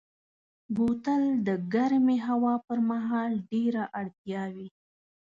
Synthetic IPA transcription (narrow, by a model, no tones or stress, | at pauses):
but̪əld̪əɡaɾmeɦawɑpəɾmaɦɑlɖeɾaʔaɽt̪jɑwi